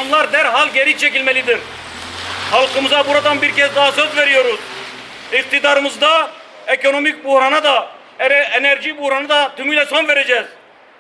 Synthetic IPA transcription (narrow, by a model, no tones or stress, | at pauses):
mlˠaɾd̪ɛɾɦalʲˠɟeɾit͡ʃʰecilʲmelʲid̪iɾ | halˠqɯmɯzabuɾad̪anbiɾcʰɛsd̪aɦsøzveɾijo̞ɾuz̥ | iq̚t̪ʰid̪aɾɯmɯzd̪a | ekʰo̞no̞mic̚buhɾanad̪a | ɛɾɛenɛɾʒibuhɾanɯd̪at̪ʰymylʲɛso̞nveɾed͡ʒɛːz̥